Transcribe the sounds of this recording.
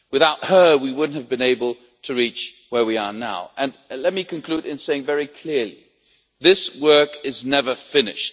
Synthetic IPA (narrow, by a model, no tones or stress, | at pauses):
wɨθaʊt̚hə˞wiwʊdⁿn̩thɨvbɨ̃neɪbəl̩ˠ | tʰɨɹit͡ʃ | wə˞wiə˞naʊʔɨ̃nlɛt̚mikɨ̃nkʰl̥ʉɾɪ̃nseɪɪ̃ŋvɛɹikʰl̥ɪɹlḭ | ðɪswɜ˞kɪznɛvə˞fɪnɪ̰ʃt̚